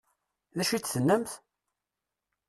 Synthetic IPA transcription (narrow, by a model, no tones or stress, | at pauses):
ðæʃit͡sθənːəmθ